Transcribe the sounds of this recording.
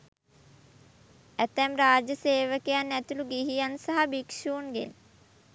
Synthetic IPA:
æt̪æmɾaːd͡ʒəseːʋəkejanːæt̪uluɡiɦijansaɦabikʃuːnɡḛn

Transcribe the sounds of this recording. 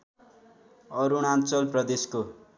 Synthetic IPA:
ʌɾuɽ̃ant͡sʌlprʌd̪esko

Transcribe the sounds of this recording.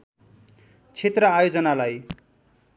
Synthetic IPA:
t͡sʰet̪rʌajod͡zʌnalaj

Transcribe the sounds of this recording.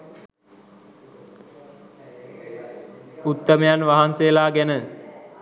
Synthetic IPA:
ut̪ːəmejanʋaɦanseːlaːɡænə

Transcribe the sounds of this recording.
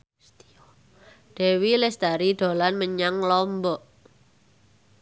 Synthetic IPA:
ɖ̪̥e̤wilɪsd̪̥a̤ɾid̪̥o̤lanməɲaŋlɔmbɔʔ

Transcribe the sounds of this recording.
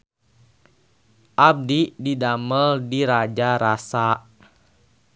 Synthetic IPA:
ʔab̚dididaməldiɾad͡ʒaɾasaʔ

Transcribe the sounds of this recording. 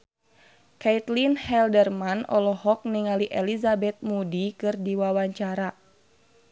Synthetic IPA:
kait̪linhɛldərmanɔ̰lɔhɔk̚niŋaliʔɛlizabɛt̪̚mudikɨrdiwawaɲt͡ʃaɾa

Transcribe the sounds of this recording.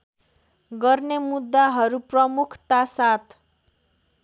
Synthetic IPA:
ɡʌrnemud̪ːaɦʌɾuprʌmukʰt̪asat̪ʰ

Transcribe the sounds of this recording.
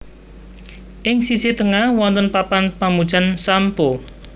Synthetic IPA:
ʔɪŋsisit̪əŋahwɔnt̪ənpapanpamud̥ʒ̥a̤nsampo

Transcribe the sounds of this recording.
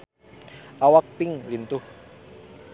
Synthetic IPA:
ʔawak̚pɪŋlint̪ʊh

